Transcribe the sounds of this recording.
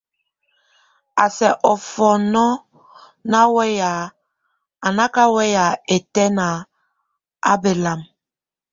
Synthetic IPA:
a˨sɛ˨ʔɔ˨fɔ˨nɔ˦ | na˦wɛ˦ja˨ | a˨na˦ka˦wɛ˦ja˨e˨tɛ˦na˨ | a̰˦be˨la˨m

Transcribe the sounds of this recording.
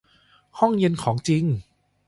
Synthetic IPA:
hɔ˥˩ŋje˧nkʰɔː˩˦ŋt͡ɕi˧ŋ

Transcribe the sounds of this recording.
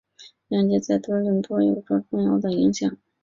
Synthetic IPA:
jɑ˥˩ŋt͡ɕɛ˧˥t͡sa˥˩ɪt̪ɤ˥ɻə˥˩ŋt̪wɔ˥jo˨˩ʊʈ͡ʂɔ˥ʈ͡ʂʊ˥˩ŋjɑ˥ʊd̪ə˨i˧˥ŋɕjɑ˨˩˦ŋ

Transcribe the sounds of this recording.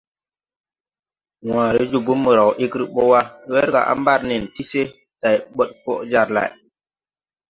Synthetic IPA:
wãː˨ɾe˦d͡ʒu˨bu˦mːə˨ɾa˨wʔi˦kɾi˦ɓo˦wa˦we˦ɾɡa̰˨ʔa̰˦mba˦ɾni˨nti˦se˦ | ta˨jɓo˦t̚fo̰˦ʔd͡ʒa˨ɾla̰˨j

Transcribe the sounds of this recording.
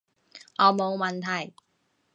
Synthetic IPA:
ʔɔː˨˧mo˨˧wmɐ˨nt̪ʰɐ˨˩j

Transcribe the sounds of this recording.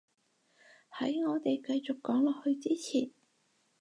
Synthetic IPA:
hɐ˨˥jŋɔː˨˧t̪e˨jkɐ˧jt͡sʊ˨kːɔː˨˥ŋlɔː˨k̚hɵ˧ɥt͡siː˥t͡sʰiː˨˩n

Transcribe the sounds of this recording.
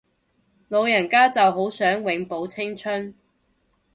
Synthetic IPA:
lo˨˧wjɐ˨˩nkaː˥t͡sɐ˨wɦo˨˥wsœː˨˥ŋwɪ˨˥ŋpo˨˥wt͡sʰɪ˥ŋt͡ʃʰɵ˥n

